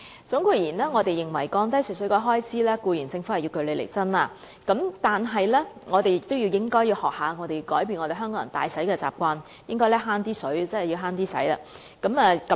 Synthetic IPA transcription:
t͡sʊ˨˥ŋkʷuː˧jiː˨˩nɛː˥ŋɔː˨˧t̪e˨jːɪ˨ŋwɐ˨˩jkɔː˧ŋt̪ɐ˥jsi˨˩sɵ˨˥kɔː˧˥jɦɔː˥jt͡siː˨˥lɛː˥kuː˧jiː˨˩nt͡sɪ˧ŋfu˨˥ɐ˨ji˧wkɵ˧ɥle˨˧lḛ˨˩jt͡sɐ˥nlaː˧ | kɐ˨˥mt̪aː˨nɦɐ˨jlɛː˥ŋɔː˨˧t̪e˨jɪ˨k̚t̪o˥wjiː˧wjɪ˥ŋkɔː˥jiː˧hɔː˨k̚haː˨˧ŋɔː˨˧t̪e˨jkɔː˨˥jpi˧nŋɔː˨˧t̪e˨˩ɦœː˥ŋkɔː˨˥jɐ˨˩nt̪a̰ː˨˧jsɐ˨˥jkɛː˧t͡sa̰ː˨p̚kʷwaː˧n | jɪ˥ŋkɔː˥jlɛː˥haː˥nt̪iː˥sɵ˨˥ɥt͡sɐ˥˨ji˧wɦaː˥nt̪iː˥sɐ̰˨˥jla̰˧˩ | kɐ˨˥mɛː˨˧kɐ˨˦

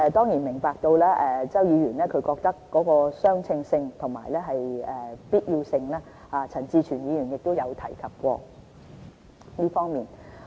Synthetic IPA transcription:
ɛ˧t̪ɔː˥ŋjiː˨˩nmɪ˨˩ŋpaː˨˧k̚t̪o˧wlaː˥ʔɛː˨t͡sɐ˥wjiː˨˧ɥyː˨˩nlɛː˥kʰɵ˨˧ɥkɔː˧k̚t̪ɐ˥kːɔː˨˥kɔː˧sœː˥ŋt͡sʰɪ˧ŋsɪ˧ŋt̪ʰʊ˨˩ŋma̰ː˨˩jlɛː˥ɦɐ˨jɛ˨˧piː˥t̚ji˧wsɪ˧ŋlaː˥ | haː˨˧t͡sʰɐ˨˩nt͡siː˧t͡ʃʰyː˨˩njiː˨˧jy˨˩njɪ˨k̚t̪o˥wjɐ˨˧wt̪ʰɐ˨˩jkʰɐ˨p̚kʷɔ̰ː˧ | liː˥fɔː˥ŋmiː˨n

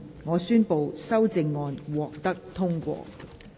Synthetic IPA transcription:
ŋɔː˨˧syː˥npo˨wsɐ˥wt͡sɪ˧ŋːɔː˨˧nwɔː˨k̚t̪ɐ˥k̚t̪ʰʊ˥ŋkʷɔ̰ː˧

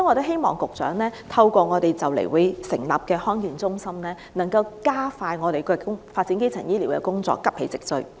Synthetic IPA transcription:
ɔ˥nŋɔː˨˧t̪o˥wɦe˥jmɔː˨˩ŋkʊ˨k̚t͡sœ̰ː˨˥ŋlɛː˥t̪ʰɐ˧wkʷɔː˧ŋɔː˨˧t̪e˨jt͡sɐ˨˩wlḛ˨˩jwʊ˨˧jsɪ̰˨˩ŋla̰ː˨p̚kɛː˧hɔː˥ŋkiː˨˩nt͡sʊ˥ŋsɐ˥mnɛː˥ | nɐ˨˩ŋkɐ˧wkaː˥faː˧jŋɔː˨˧ɾe˨˩jkɛ˧kʊ˥ŋfaː˧t̚t͡si˨˥ke˥jt͡sʰɐ˨˩jiː˥liː˨˩wkɛ̰˧kʊ˥ŋt͡sɔ̰ː˨kːɐ˥p̚he˨˥jt͡sɪ˨k̚t͡sɵ̰˧

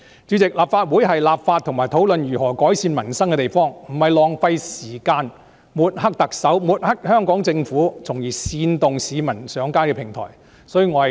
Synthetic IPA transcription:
t͡ʃyː˨˧˥t͡sɪ˨k̚laː˨pfaː˧t̚wuː˨˥jɦɐ˨jlaː˨p̚faː˧t̪ʰʊ˨˩ŋmaː˨˩jt̪ʰo˨˥wlɵ˨njyː˨˩ɦɔː˨˩kɔː˨˥jsiː˧nmɐ˨˩nsɐ˥ŋkɛ˧t̪e˨jfɔː˥ŋm̩˨˩hɐ˨jlɔː˨ŋfɐ˧jsiː˨˩kaː˧n | muː˨t̚hɐ˥k̚t̪ɐ˨k̚sɐ˨˥wmuː˨˩t̚hɐ˥k̚hœː˥ŋkɔː˨˥ŋt͡sɪ˧ŋfuː˨˥t͡sʰʊ˨˩ŋjiː˨˩siː˨˧nt̪ʊ˨ŋsiː˨˧mɐ˨˩nsœː˨˥ŋkaː˥nkɛː˧pʰɪ˨˩ŋt̪ʰɔ̰ː˨˩j | sɔː˨˥jyː˧ŋɔː˨˧hɐ˨

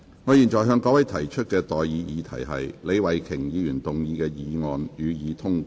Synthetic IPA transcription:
ŋɔː˨˧jiː˨nt͡ʃɔː˨˩jɦœː˧ŋkɔː˨˥wɐ˨˥jt̪ʰɐ˨˩jt͡ʃʰɵ˥t̚kɛː˧t̪ɔː˨˩jjiː˨˧˥jiː˨˧t̪ʰɐ̰˨˩jɦɐ̰˨jle˨˧jwɐ˨˩jkʰɪ˨˩ŋjiː˨˧jyː˨˩nt̪ʊ˨˩ŋjiː˨˧kɛː˧jiː˨˧ŋɔː˨njyː˨˧jiː˨˧t̪ʰʊ˥ŋ

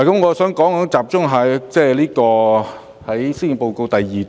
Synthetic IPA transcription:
kɐ˨˦mŋɔː˨˧sœː˨˥ŋkɔː˨˥ŋ˨˧˥t͡saː˨p̚t͡ʃʊ˥ŋɦɐː˨˩jt͡sɛː˥˩liː˥kɔː˧ | hɐ˨˥jsi˨˧npo˧wko˧wt̪ɐ˨jːiː˨

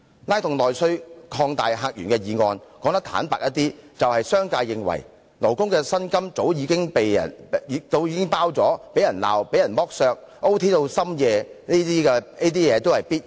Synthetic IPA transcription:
laː˥jt̪ʊ˨ŋlɔː˨jsɵ˥ɥkʰɔː˧ŋt̪aː˨jɦaː˧k̚jy̰ː˨˩ŋkɛː˧jiː˨ŋɔː˧nkɔː˨˥ŋt̪̬k̚t̪ʰa̰ː˨˥npaː˨k̚jɐ˥t̪̚iː˥t͡sɐ˨whɐ˨jsœː˥ŋkaː˧jːɪ˨ŋwɐ̰˨˩j | lo˨˩wkʊ˥ŋkɛː˧sɐ˥nkɐ˥mt͡so˨˥wjiː˨˧˥kɪ˥ŋpe˨jɐ̰˨˩niː˨˧t̪o˧wjiː˨kɪ˥ŋpaː˥wt͡sɔː˨˥pe˨˥jɐ˨˩nla̰ː˨wpe˨˥jɐ˨˩nmɔː˥k̚sœː˧k̚ | ʔo˥wt̪ʰiː˥t̪o˧wsɐ˥mjɛː˨˧niː˥t̪iː˥kɛ˧niː˥t̪iː˥jɛː˨˧t̪o˥whɐ˨jpiː˥t̚

